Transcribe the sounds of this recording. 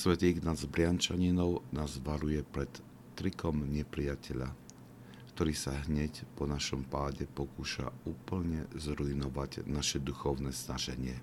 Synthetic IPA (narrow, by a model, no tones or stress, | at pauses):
sʋɛt̪iːɣnazbɾɪant͡ʃaɲinɔʊnaːzʋaɾujɛpɾɛt̪ː | ɾikɔmɲɛpɾijacɛʎa̰ | kt̪ɔɾiːsaɦɲɛcpɔnaʃɔmpaːɟɛpɔkuːʃa̰uːpl̩ɲɛzɾuinɔʋaɟnaʃɛd̪uxɔʊnɛːznaʒɛɲɪɛ